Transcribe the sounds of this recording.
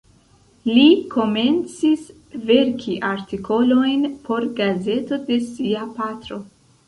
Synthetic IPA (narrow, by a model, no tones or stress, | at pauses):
likʰo̞me̞nt͡sis | ve̞ɾkʰiʔaɾtikʰo̞lo̞jnpʰo̞ɾɡaze̞to̞de̞siapat̪ɾo̞